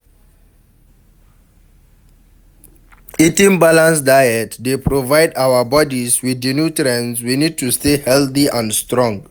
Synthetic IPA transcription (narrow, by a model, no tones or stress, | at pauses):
itĩŋbalãnsdajɛtdepɾovaɪdawəbɔdiswidinjutɾɛ̃nswinid̚tustehɛltiãnstɹɔ̃ŋ